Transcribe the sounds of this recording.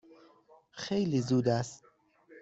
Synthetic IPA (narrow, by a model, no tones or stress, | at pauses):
xejliːzuːd̪æst̪